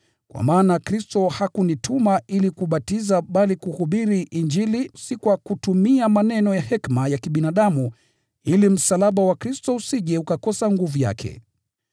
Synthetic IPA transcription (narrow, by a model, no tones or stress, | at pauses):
kwa̰maːnakɾistɔhakunitumaʔilikuɓatizaɓalikuhuɓiɾiʔind͡ʒilisikwakutumiamanɛnɔjahɛkmajakiɓinaɗamu | ilim̩salaɓawakɾistɔusiʄɛukakɔsaŋɡuvuja̰kʰɛ̰